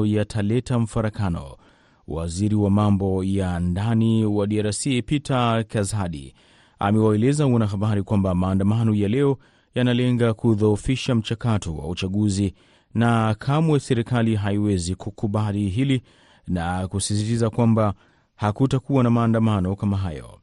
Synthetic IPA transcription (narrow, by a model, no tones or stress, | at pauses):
jatʰalɛtam̩faɾakanɔ̰ | wa̰ziɾiwamambɔjandaniwaɗiaɾasipitakazaɗḭ | a̰mɛwaɛlɛzawanaɦaɓaɾikwambamaːndamanɔjalɛɔ | janalɛŋɡakuðoːfiʃam̩t͡ʃakatʰɔwa̰ut͡ʃaɠuzi | nakʰamwɛsɛɾikaliɦaiwɛzikukuɓaliɦili | nakusis̬itizakwamba | hakutakuwanamaːndamanɔkamaɦajɔ̰